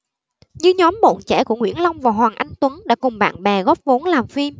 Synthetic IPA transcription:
ɲɨ˧ɲɔ˨˦mɓo̰˧˨nt͡ɕɛ̰˧˩ku˧˩əŋwḭ˧˩ənla˧wŋ͡mvaː˨˩ɦwaː˨˩ŋʔa˧jŋ̟t̪wə˨˦nɗa̰ː˧˥kʊ˨˩ŋ͡mɓa̰ː˧˨nɓɛ˨˩ɣɔː˦˥p̚vo˨˦nlaː˨˩mfi˧m

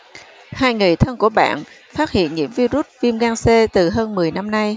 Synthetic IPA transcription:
haː˧jŋɨ˨˩jt̪ʰə˧nku˧˩əɓa̰ː˧˨n | faː˦˥t̚hḭ˧˨ənŋḭ˧˥əmvi˧zu˦˥t̚vi˧mɣaː˧nse˧t̪ɨ˨˩ɦəː˧nmɨ˨˩əjna˧mna˧j

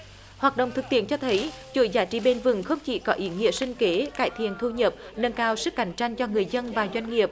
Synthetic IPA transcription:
hwaː˨˩t̚ɗə̰˧˨wŋ͡mt̪ʰɨ˨˩k̚t̪ḭ˧˥ənt͡ɕɔ˧t̪ʰə˨˦jt͡ɕṵ˧˦jzaː˨˦t͡ɕi˧˦ɓe˧nvɨ˨˩ŋxə˧wŋ͡mt͡ɕḭ˧˩kɔ˨˦ʔi˨˦ŋḭ˧˨əsï˧ŋ̟ke˨˦kaː˧˩jt̪ʰḭ˧˨ənt̪ʰu˧ɲə˨˩p̚nə˧nkaː˧wsɨ˦˥k̚ːa˨˦jŋ̟t͡ɕa˧jŋ̟t͡ɕɔ˧ŋɨ˨˩əjzə˧nvaː˨˩zwa˧jŋ̟ŋi˨˩əp̚

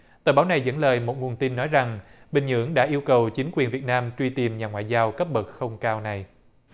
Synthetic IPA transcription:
t̪əː˨˩ɓaː˨˦wna˨˩jzə̰˧˥nləː˨˩jmo˨˩t̚ŋu˨˩ənt̪i˧nːɔ˨˦jza˨˩ŋɓï˨˩ŋ̟ɲɨ̰˧˥əŋɗa̰ː˧˥ʔi˧əwkə˨˩wt͡ɕï˨˦ŋ̟kwi˨˩ənvi˨˩t̚naː˧mt͡ɕwi˧t̪i˨˩mɲaː˨˩ŋwa̰ː˧˨jzaː˧wkə˦˥p̚ɓə˨˩t̚xə˧wŋ͡mkaː˧wna˨˩j

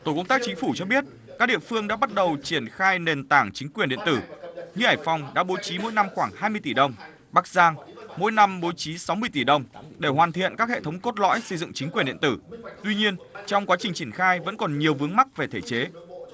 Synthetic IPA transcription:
t̪o˧˩kə˧ŋ͡mt̪aː˦˥k̚t͡ɕï˨˦ŋ̟fu˧˩t͡ɕɔ˧ɓi˦˥ət̚ | kaː˦˥k̚ɗḭ˧˨əfɨ˧əŋɗa̰ː˧˥ɓa˦˥t̚ɗə˨˩wt͡ɕi˧˩ənxaː˧jne˨˩nt̪aː˧˩ŋt͡ɕï˨˦ŋ̟kwi˨˩ənɗḭ˧˨ə˨nt̪ɨ˧˩ɲɨ˧ʔaː˧˩jfɔ˨˧wŋ͡mɗa̰ː˧˥ɓo˨˦jt͡ɕi˨˦mo̰˧˥jna˧mxwaː˧˩ŋhaː˧jmɨ˧əjt̪i˧˩ɗə˧˩wŋ͡m | ɓa˦˥k̚zaː˧ŋmo̰˧˥jna˧mɓo˨˦jt͡ɕi˨˦sa˨˦wmɨ˧əjt̪i˧˩ɗə˧˩wŋ͡mɗe˧˩hwaː˨˩nt̪ʰḭ˧˨ənkaː˦˥k̚hḛ˧˨t̪ʰə˨˦wŋ͡mko˦˥t̚lɔ̰˧˥jsə˧jzɨ̰˧˨ŋt͡ɕï˨˦ŋ̟kwi˨˩ənɗḭ˧˨ənt̪ɨ˧˩t̪wi˧ɲi˧ənt͡ɕɔ˧wŋ͡mkwaː˨˦t͡ɕï˨˩ŋ̟t͡ɕi˧˩ənxaː˧jvə̰˧˥nkɔ˨˩nɲi˨˩əwvɨ˨˦əŋma˦˥k̚ve˨˩t̪ʰe˧˩t͡ɕe˨˦

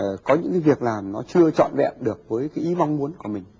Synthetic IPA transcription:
kɔ˨˦ɲɨ̰˧˥ŋkaː˨˦vi˨˩ək̚laː˨˩mnɔ˨˦t͡ɕɨ˧ət͡ɕɔ̰˧˨nvɛ̰˧˨mɗɨ˨˩ək̚vəː˨˦jkaː˨˦jʔi˨˦va˧wŋ͡mmu˨˦ənku˧˩əmï˨˩ŋ̟

